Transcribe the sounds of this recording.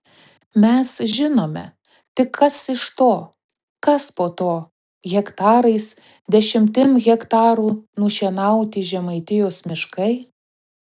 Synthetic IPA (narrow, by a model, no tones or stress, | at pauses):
mʲɛsʒʲɪnoːmʲɛ̰ | t̪ʲɪkʰːɐsɪʃt̪oː | kɐspoːt̪oː | ɣʲɛkt̪ɑːɾɐɪs | d̪ʲɛʃʲɪmʲt̪ʲɪmɣʲɛkt̪ɑːɾuːnʊʃʲiɛnɐˑʊt̪ʲɪʒʲɛmɐɪt̪ʲɪjoːsmʲɪʃkɐɪ